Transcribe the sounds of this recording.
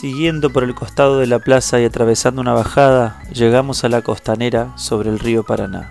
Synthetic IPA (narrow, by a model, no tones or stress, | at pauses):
siɣje̞nd̪o̞po̞ɾe̞lko̞st̪að̞o̞ðe̞laplasaiat̪ɾaβ̞e̞sand̪ounaβaxað̞aʒe̞ɣamo̞salako̞st̪aneɾaso̞βɾe̞ːlrio̞paɾana̰